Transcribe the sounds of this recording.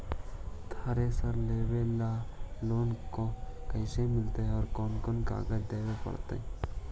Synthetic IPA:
t̪ʰaɾesəɾleːwelaloːnkokəɪsemɪlt̪eɦɔːɾkɔːnkonka̰ːɡəd̪eːɡapə̰ɽt̪ḛ

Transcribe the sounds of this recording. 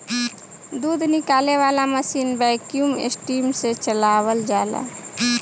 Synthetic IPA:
d̪uːd̪ʱnɪkaːleʋaːlaməsiːnbɛkijumḛsʈimset͡ʃəlaːwəld͡ʒala̰

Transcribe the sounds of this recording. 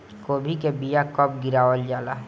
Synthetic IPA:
koːbʱikebijakɔp̚ɡɪɾaːʋəld͡ʒaːlaːɦ

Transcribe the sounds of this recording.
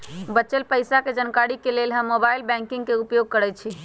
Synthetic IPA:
bətːʃelpəjsaked͡ʒənkaɾikelelɦəmːobajlbɛ̃ŋkiŋɡkeupjoɡ̚kəɾɛt͡ʃʰi

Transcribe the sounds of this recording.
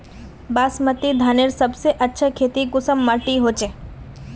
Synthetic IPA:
basmət̪id̪ʱaneɾsəbseʔətːʃʰəkʰet̪ikʊsəmːəʈiɦot͡ʃe

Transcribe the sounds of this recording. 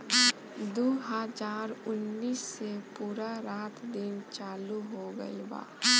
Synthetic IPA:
d̪oːɦəd͡ʒaːɾʊnːiːsːepuːɾaɾaːt̪ʰd̪ɪnt͡ʃaːluɦoɡə̰iba̰ː

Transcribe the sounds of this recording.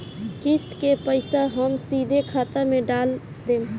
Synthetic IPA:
kist̪kepəɪsaɦəmsid̪ʱekʰat̪ameɖal | d̪em

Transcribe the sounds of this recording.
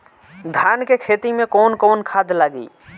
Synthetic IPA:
d̪ʱankekʰet̪imẽkonkoːnkʰad̪laːɡḭ

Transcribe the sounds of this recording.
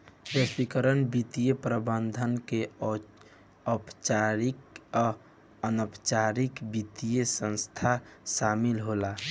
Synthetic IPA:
əswikəɾənbit̪ijepɾəbənd̪ʱənke | ɔpt͡ʃaɾi | ənəpt͡ʃaɾikbit̪ijesə̃nst̪ʰasamilɦola

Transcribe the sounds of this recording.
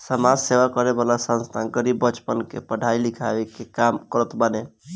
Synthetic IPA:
səmad͡ʒseʋakəɾebalasə̃nst̪ʰanɡəɾibːət͡ʃpənkḛpəɽ̤ʱailikʰa̰ʋekekamkəɾət̪bəne

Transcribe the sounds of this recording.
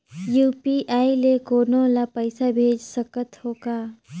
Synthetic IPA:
juːpiʔaːilekoːnõlapəɪsabʱeːd͡ʒsəkət̪hoːkaː

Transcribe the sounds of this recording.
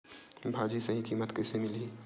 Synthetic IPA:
bʱaːd͡ʒisɐɦĩkiːmət̪kɛːsemɪliː

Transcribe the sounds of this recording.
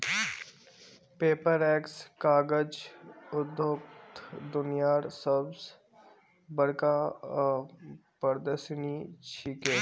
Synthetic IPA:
peːpəɾɛːkskaːɡəd͡ʒʊd̪jokt̪ʰd̪ʊnijaːɾsəbs | bəɽkaː | pəɾd̪əsniːt͡ʃʰikeː

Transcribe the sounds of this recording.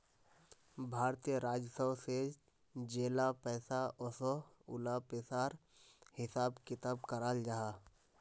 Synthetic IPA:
bʱaːɾt̪ijəɾaːd͡ʒsəwse | d͡ʒeːlapɛːsaʔɔso | ʊlapesaːɾ | hɪsaːbkɪt̪aːbkəɾaːld͡ʒaɦaː

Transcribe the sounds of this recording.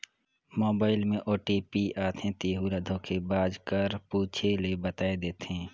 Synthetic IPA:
moːbaːɪlmẽʔoːʈiːpiaːt̪ʰẽt̪eːɦuɾəd̪ʱõkʰebaːd͡ʒkəɾpuːt͡ʃʰelebət̪aːed̪eːt̪ɦẽː

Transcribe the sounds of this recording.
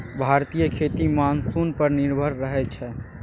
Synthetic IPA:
bʱaɾt̪ijəkʰet̪imansunpəɾniɾbʱəɾːəɦɛt͡ʃʰɛ

